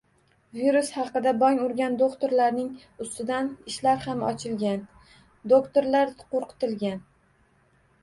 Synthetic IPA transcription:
viɾushɑqɨd̪abɒŋʊɾɡʲand̪okt̪ʰoɾlaɾnɪŋ | ʊst̪ɪd̪anɪʃlaɾhamɒ̰t͡ʃʰɪlɡʲan | d̪okt̪oɾlaɾqʰoɾqʰɨ̥t̪ɪlɡʲan

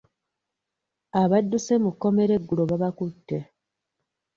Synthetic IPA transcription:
aβadːuse̞mukːo̞me̞ɾe̞ɡːulo̞βaβakutːe̞

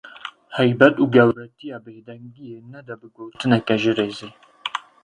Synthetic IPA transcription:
ħajbɐtʼuɡɐwɾɐtʰiabɨħdɐŋɡʲijenːɐdɐbɨɡʷowtʰɨnakʼɐʒɪɾeze

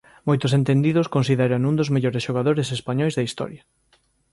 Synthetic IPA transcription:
mojt̪ʊsent̪end̪iðʊskonsiðɛɾɐnũnd̪ozmeʎoɾesʃoɣaðoɾesespaɲɔjzðɐist̪ɔ̰ɾjɐ

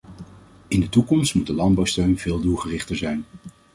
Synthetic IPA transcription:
ɪndətukɔmstmut̚dəlɑndbɑwstøɥnv̥ɪːlˠdulˠχərɪχtəɹzɛjn

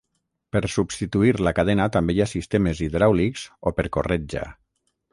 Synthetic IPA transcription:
peɾsubst̪it̪uiɾlakaðɛnat̪ambejasist̪emeziðɾawlikzopeɾkorɛd͡ʒa̰

